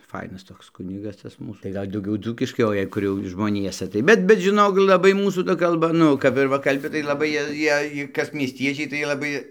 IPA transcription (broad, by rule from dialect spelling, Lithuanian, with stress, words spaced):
ˈfɐɪnɐs toːks ˈkʊnʲɪɡɐs ˈtɐs ˈmuːs tɐɪ ˈɡɐlʲ dɐʊˈɡʲɛʊ ˈd͡zuːkʲɪʃkɐɪ oː ˈjɛɪ jɛʊ ˈkʊr ʒmoːˈnʲiɛsɐ tɐɪ ˈbʲɛt bʲɛt ʒʲɪˈnoːk lˠɐˈbɐɪ ˈmuːsuː ˈtɐ kɐlˠˈbɐ ˈnʊ kɐp ɪr ˈʋɐ kɐlʲˈbʲɪ tɐɪ lˠɐˈbɐɪ ˈjiɛ ˈjiɛj ˈkɐs mʲiɛsʲˈtʲiɛt͡ʃʲɛɪ tɐɪ lˠɐˈbɐɪ